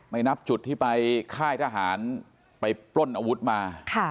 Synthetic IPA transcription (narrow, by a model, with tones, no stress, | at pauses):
ma˥˩jna˦˥p̚t͡ɕu˨˩t̪ʰːiː˥˩pa˧jkʰaː˥˩jt̪ʰaː˧ɦaː˩˦n | pa˧jplo˥˩nʔa˧wu˦˥t̪̚maː˧kʰa˥˩